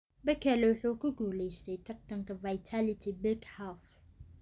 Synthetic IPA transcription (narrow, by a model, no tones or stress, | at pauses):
bɐkʰɛlɛwʊħuːkʰʊɡuːlɛjst̪ʰɛjt̪ʰɐrt̪ʰɐŋkʰɐvajt̪ʰalɪt̪ʰɪbɪkhaf